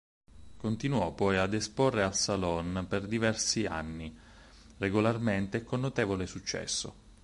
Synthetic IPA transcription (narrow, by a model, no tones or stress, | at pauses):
kont̪inuɔpɔjad̪esporːealsalɔnperd̪ivɛrsia̰nːi | reɡolarment̪ekːonːot̪eːvolesut͡ʃːɛ̰sːo̰